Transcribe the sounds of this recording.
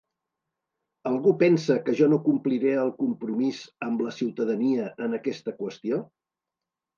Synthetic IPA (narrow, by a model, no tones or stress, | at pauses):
əlˠɣupɛnsəkəʒɔnokumpliɾeəlˠkumpɾumizəmbləsiwt̪əðəniəʔənəkɛst̪əkwəst̪io